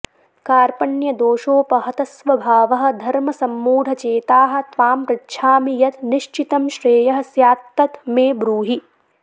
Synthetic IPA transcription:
kaːɾpɐɳjɐd̪oːʃoːpɐɦɐt̪ɐsʋɐbʱaːʋɐɦɐ̆d̪ʱɐɾmɐsɐmːuːd̪ʱɐt͡ʃeːt̪aːɦɐ̆t̪ʋaːmpɾɐtːʃʰaːmijɐt̪niʃt͡ʃit̪ɐmʃɾeːjɐɦɐ̆sjaːt̪ːɐt̪meːbɾuːɦi

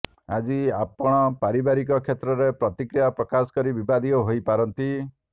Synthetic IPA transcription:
a̰d͡ʒiapɔɽ̃ɔpaɾibaɾikɔkʰet̪ɾɔɾepɾɔt̪ikɾijapɾɔkasɔ̥kɔɾibibad̪ʱiɔɦojpaɾɔnt̪i

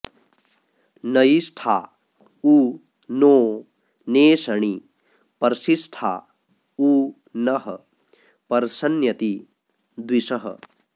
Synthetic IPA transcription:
nɐjisʈʰa̰ː | uː | noː | neːsɐɳ̃i | pɐɾsisʈʰa̰ | u | nɐɦɐ̰ | pɐɾsɐnjɐt̪i | d̪wiʃɐɦɐ̰

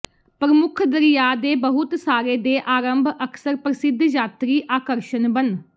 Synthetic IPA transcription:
pɾəmʊkʰd̪əɾijaːd̪eːbəɦʊt̪saːɾeːd̪eːʔaːɾəmbʱəkʰsəɾpɾəsɪd̪ʱd͡ʒaːt̪ɾiːʔaːkəɾʃənbən

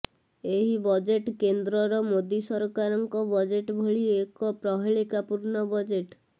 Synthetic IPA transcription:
eɦibɔd͡ʒeʈkend̪ɾɔɾɔmod̪isɔɾkaɾɔŋkɔbɔd͡ʒeʈbʱoɭiekɔpɾɔɦiɭikapuɾnɔbɔd͡ʒeʈ

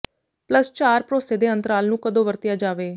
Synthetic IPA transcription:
pləst͡ʃaːɾpɾoːseːd̪eːə̃nt̪əɾaːlnũːkəd̪õːʋəɾt̪ɪjaːd͡ʒaːʋeː

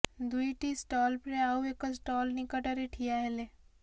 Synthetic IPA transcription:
d̪uiʈisʈɔːlpɾeaːuekəsʈɔːlnɪkəʈɐɾeʈʰijaɦɛle

